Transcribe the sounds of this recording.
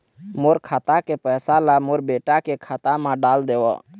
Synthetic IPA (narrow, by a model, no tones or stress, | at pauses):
moːɾkʰaːt̪akepɛːsalamoːɾbeːʈakekʰaːt̪amãɖaːld̪eːwo̰